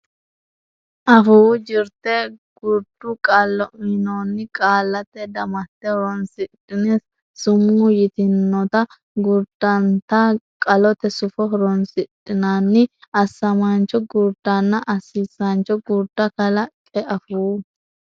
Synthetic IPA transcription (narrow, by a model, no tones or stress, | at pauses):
ʔɐfʊwd͡ʒɪɾt̪ɛɡ̥ʊɾd̪ʊkʼalːɔɪnɔnːɪkʼaːlːɐt̪ːɛd̪ɐmɐt̪ːɛhɔɾɔnsɪtʼːɪnes | sʊmːʊjɪt̪ɪnːɔt̪ɐ | ɡʊɾd̪̥ɐnt̪ɐkʼɐlɔt̪ɛsʊfɔɦɔɾɔnsɪtʼːɪnaːnːɪɐsːɐmant͡ʃːɔɡʊɾd̪ɐnːɐʔɐsiːsant͡ʃɔɡʊɾd̪ɐkɐlɐkʼɛʔɐfuː